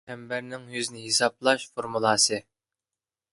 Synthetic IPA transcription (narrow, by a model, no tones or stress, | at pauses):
ɛmbæɾnɪŋjøznɪɦesɑp̚lˠɑʃfoɾmulˠɑːsɨ